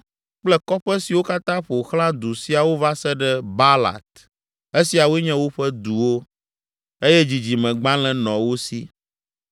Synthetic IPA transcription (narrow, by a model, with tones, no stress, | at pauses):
k͡plɛ˦kɔ˦ɸɛ˦si˨wo˦ka˦t̪ã˦ɸo˨xl̃ã˦d̪u˨si˨a˨wo˦va˦sɛ˦ɖɛ˦ba˦la̰˨t̪̚ | e˦si˨a˨wɲɛ̃˦wo˦ɸɛ˦d̪u˨wo˦ | e˦jɛ˦d͡ʑi˨d͡ʑi˨mɛ̃˨ɡ͡bã˦lɛ̃˦nɔ̃˨wo˦sḭ˦